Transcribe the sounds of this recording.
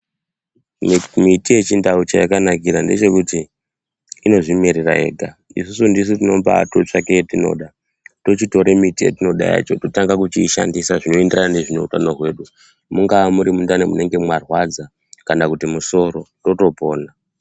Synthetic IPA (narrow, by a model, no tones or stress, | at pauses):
mitije̞t͡ʃindaut͡ʃajakanakiɾande̞t͡ʃe̞kutiː | no̞ʐimeɾera̰ɦe̞̰ːɡʱaisusundis̬utino̞pa̰ːtot͡ʂake̞tino̞̰ːɗa | to̞t͡ʃito̞ɾemitijḛtino̞ɗa̰ja̰t͡ʃo̞totaŋɡakut͡ʃiʃa̰ndisaʐino̞endranane̞ʐino̞utanoɦwe̞ːɗu | muŋɡamuɾimundanemune̞ŋɡe̞mwarwad͡za | kandakutimuso̞ɾo̞to̞to̞po̞ːna